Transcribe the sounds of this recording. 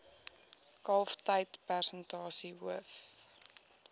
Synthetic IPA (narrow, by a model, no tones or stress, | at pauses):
kɐlˠftəjtpærsəntɑːsiɦuəf